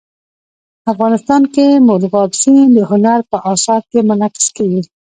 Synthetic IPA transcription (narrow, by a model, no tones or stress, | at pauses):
afɣɑnɪst̪ɑnkemʊɾɣɑbsind̪əhʊnaɾpəʔɑsɑd̪̚kemʊnaqɪ̥skawi